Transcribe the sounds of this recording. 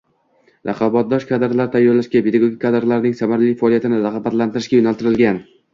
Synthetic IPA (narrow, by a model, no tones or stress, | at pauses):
ɾʔɑqʰɑbat̪̚d̪ɒʃkʰad̪ɾlaɾɪt̪ʰajːɒɾlaʃɡʲapʰed̪aɡoɡʲik̚ʲʰːad̪ɾlaɾnɪŋsamaɾlijfaɒlijat̪ɪnɪɾɑʁɑbat̪lant̪ɪɾɪʃkʲajʊnalˠt̪ɪɾɪlɡʲan